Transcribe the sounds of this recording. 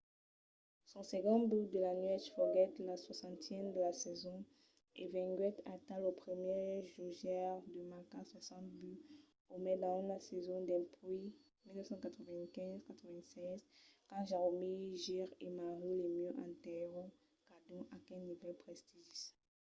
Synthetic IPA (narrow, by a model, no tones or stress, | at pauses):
sɔ̃sɛɡɔ̃byd̪əlaniɛtfɔɡɛt̪laswasɑ̃t̪jɛnd̪əlasɛzɔ̃ | evɛ̃ɡɥɛt̪at̪ãlopχəmjɛʒuʒɛʁd̪əmakãswasɑ̃t̪̚by | omɛd̪ãlasɛzɔ̃d̪ɛ̃pi | milnəfsɑ̃kat̪χəvɛ̃kɛ̃zkat̪χəvɛ̃sɛzkɑ̃ʒaʁomiʒiʁemaʁilemjøʔãt̪ɛʁɔ̃ | kad̪ɔ̃ʔakɛ̃nivɛlpχɛst̪iʒis